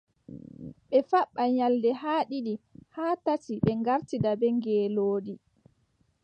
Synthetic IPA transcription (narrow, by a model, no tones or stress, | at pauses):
ɓɛfaɓːaɲaldɛhaːɗiɗihaːtatiɓɛŋɡaɾtidabɛŋɡɛːloːdi